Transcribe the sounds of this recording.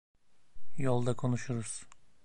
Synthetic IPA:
jo̞lˠd̪akʰo̞nuʃuɾuz̥

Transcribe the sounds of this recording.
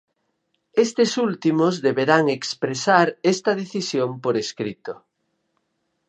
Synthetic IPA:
est̪esult̪imozðeβeɾaŋekspɾesaɾest̪ɐðeθisjompoɾeskɾit̪o

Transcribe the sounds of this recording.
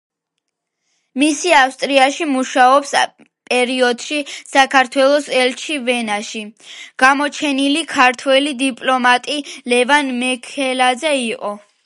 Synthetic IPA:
misiafst̪ʼɾiaʃimuʃaɔps | pʼɛɾiɔd̪ʃisakʰaɾt̪ʰwɛlˠɔsɛlt͡ʃʰivɛnaʃiɡ̥amɔt͡ʃʰɛnilikʰaɾt̪ʰwɛlid̪ipʼlɔmat̪ʼilɛvanmɛkʰɛlad̪zɛiqʼɔ

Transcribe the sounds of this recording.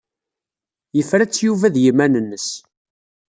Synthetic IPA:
jəfɾæt͡sːjuvæðjimænənːəs

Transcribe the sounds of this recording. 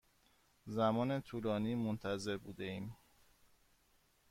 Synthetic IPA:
zæmɒːne̞t̪ʰuːlɒːniːmont̪ʰæze̞ɾbuːd̪e̞iːm

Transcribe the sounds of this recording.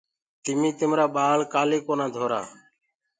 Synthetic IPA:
t̪ɪmĩːt̪ɪmɾaːɓaːlkaːleːkoːnãːd̪ʱoːɾa̰ː

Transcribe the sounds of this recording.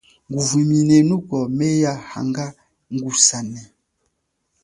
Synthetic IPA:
ŋɡuviminɛnukɔmejaha̰ŋɡa | ŋɡusanɛ

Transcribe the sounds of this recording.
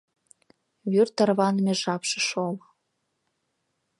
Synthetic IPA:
βyrt̪ə̆rβɑnəmeʒɑpʃə̆ʃol

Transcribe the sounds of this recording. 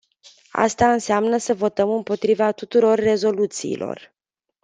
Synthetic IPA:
a̰st̪aɨnseamnəsəvo̞t̪əmɨmpo̞t̪ɾivat̪ut̪uɾo̞rːe̞zo̞lut̪sḭːlʔo̞̰r

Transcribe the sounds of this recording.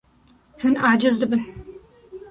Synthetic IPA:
hɨnaːd͡ʒɐzdɨbɨn

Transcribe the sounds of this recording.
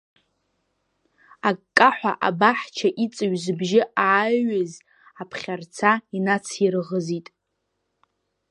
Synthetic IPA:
akʼkʼːaħʷaʔabaħt͡ʃʰaʔit͡sʼɨɥzbʒɪaːaz | apʰχʲart͡sʰainat͡sʰirɨʁəzitʼ

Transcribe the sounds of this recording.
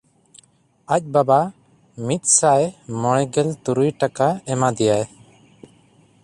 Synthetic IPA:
ac̚ˀbaba | mit̪̚ˀsaʔɛmɔɽ̃ɛɡɛlt̪uɾujʈakaɛmad̪ɛjaj

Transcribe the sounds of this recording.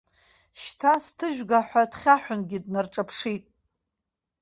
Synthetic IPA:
ʃtʰastʰɨʒᶣɡaħʷᶣadχʲaħʷᶣʊnɡʲɪdnarʈ͡ʂʼapʰʂitʼ

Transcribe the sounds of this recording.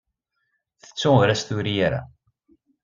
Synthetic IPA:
θə̥t͡sːʊɾæst̪ʊɾijaɾa̰

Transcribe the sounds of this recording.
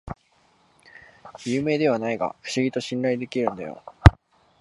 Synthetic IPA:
jɯ̟ːme̞ːd̪e̞β̞anaiɡa̰ɸɯ̟̥ɕiɡʲit̪o̞ɕĩnɾaid̪e̞kʲiɾɯ̟̃nd̪ajo̞̰

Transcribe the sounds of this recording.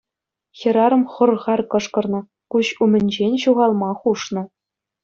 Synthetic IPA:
xʲĕɾɑɾɤ̆mχɤ̆rʁɑrkɤ̆ʂkɤ̆rnɤ̆ | kuɕumʲɘ̆nʲd͡ʑenʲɕuʁɑlˠmɑχuʂnɤ̆

